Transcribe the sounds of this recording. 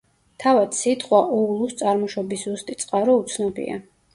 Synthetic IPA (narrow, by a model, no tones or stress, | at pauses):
t̪ʰavad̪sit̪ʰʼχʼwaʔɔulˠust̪sʼaɾmɔʃɔbiszust̪ʼit̪sʼqʼaɾɔut̪sʰnɔbḭa̰